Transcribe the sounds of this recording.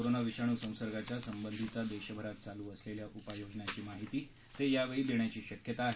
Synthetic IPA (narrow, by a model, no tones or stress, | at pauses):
oɾonaʋiɕaɽ̃uːsə̃w̃səɾɡat͡ɕjasəmbənd̪ʱit͡sad̪eɕəbʱəɾat̪̚t͡saluːəsleljaʔupajod͡ʑɳjat͡ɕiːmaɦit̪iː | t̪ejaʋeɭiːd̪eɳjat͡ɕiːɕəkjət̪aːɦe